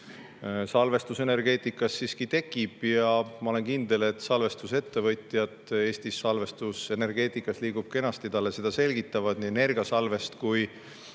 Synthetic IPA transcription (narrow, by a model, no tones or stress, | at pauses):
sɑlve̞st̪use̞ne̞rɡ̥e̞ːt̪ˑikːˑɑsːiːskit̪e̞kːˑib̥jɑmɑo̞le̞nkind̪e̞le̞t̪ːˑsɑlve̞st̪use̞t̪ːe̞vɤt̪jɑt̪e̞ːst̪isːɑlve̞st̪use̞ne̞rɡ̥e̞ːt̪ˑikːˑɑsliːɡ̥ub̥ke̞nɑst̪id̪̥ɑlese̞d̪̥ɑse̞lʲɡit̪ːˑɑvɑd̪̥nine̞rɡɑsɑlve̞st̪kuj